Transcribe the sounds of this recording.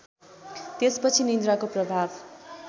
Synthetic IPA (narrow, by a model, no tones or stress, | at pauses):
t̪espʌt͡sʰinind̪ɾakoprʌbʱab